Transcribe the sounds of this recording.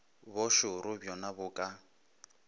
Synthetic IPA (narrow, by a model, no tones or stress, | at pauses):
bʊʃʊɾʊbjɔnabʊːkʼa